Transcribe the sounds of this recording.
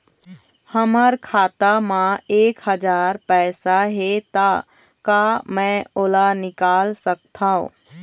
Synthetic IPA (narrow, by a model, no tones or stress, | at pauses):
həməɾkʰaːt̪amãeːkɦəd͡ʒaːɾpɛːsaɦet̪a | kamɛ̃oːlanɪkaːlsək̚t̪ʰaːõ̰